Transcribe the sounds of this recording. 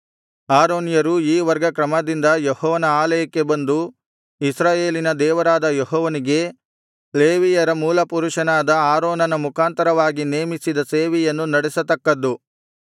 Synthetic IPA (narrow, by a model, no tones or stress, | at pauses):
aːɾoːnjɐɾuiːʋɐɾɡɐkɾɐmɐd̪ind̪ɐjehɔːʋɐnɐaːlɐjɐkːe̞bɐnd̪u | isɾaːje̞ːlinɐd̪ɛːʋɐɾaːd̪ɐjeɦɔːʋɐniɡe̞ | leːʋijɐɾɐmuːlɐpuɾuʂɐnaːd̪ɐaːɾoːnɐnɐmukʰaːnt̪ɐɾɐʋaːɡine̞ːmisid̪ɐseːʋijɐnːunɐɽɛsɐt̪ɐkːɐd̪ːu